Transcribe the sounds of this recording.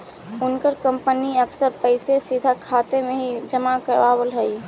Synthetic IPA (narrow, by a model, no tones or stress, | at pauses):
ʊnkəɾkə̃mpəniəksəɾpəɪsesid̪ʱakʰat̪emẽɦid͡ʒəmakəɾaːbəlɦəi